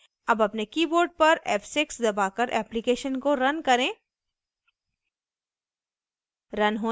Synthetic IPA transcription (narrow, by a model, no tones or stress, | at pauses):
ɐbɐpnekiːboːɾɖ̚pɐɾɛːfsɪksd̪ɐbaːkɐɾʔɛːplɪkeːʃənkoɾɐnkɐɾẽː | ɾɐnɦoː